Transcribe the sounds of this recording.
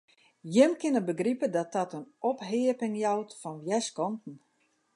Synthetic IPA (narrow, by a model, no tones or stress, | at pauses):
jɪmkɪnəbəɡripədɔt̚ɔtənɔpɦɪəpɪŋjawtfɔnʋjɛskɔntn̩